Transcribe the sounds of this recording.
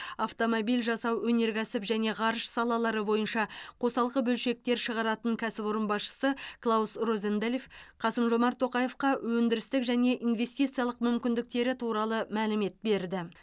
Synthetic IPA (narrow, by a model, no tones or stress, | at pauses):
aft̪o̞mobilʲʒɑsɑwɵne̞ɾɡʲæsɪpʒæne̞ʁɑɾəʃsɑlˠɑlˠɑɾəbo̞jənʃɑqʰo̞sɑlˠʁəbɵlʃe̞k̚t̪e̞ɾʃəʁɑɾɑt̪əŋkʲʰæsɪpo̞ɾənbɑsʃə̥səklˠawsrozend̪elʲefqʰɑsəmʒo̞mɑɾt̪ʰːo̞qɑje̞fqɑwɵnd̪ɪɾɪst̪ɪkʒæne̞ʔinve̞st̪ijt̪sɨijɑlˠəqmʏmkʲɪnd̪ɪk̚t̪e̞ɾɪt̪ʰuɾɑlˠəmælɪme̞t̪̚be̞ɾd̪ɪ